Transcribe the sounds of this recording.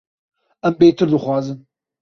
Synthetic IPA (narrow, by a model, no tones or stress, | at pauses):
ɐmbejt̪ʰɨɾd̪ɨχʷɑːzɨn